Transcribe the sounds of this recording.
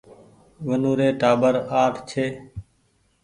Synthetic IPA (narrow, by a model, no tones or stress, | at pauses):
ʋənuːɾeːʈaːbəɾaːʈʰt͡ʃʰeː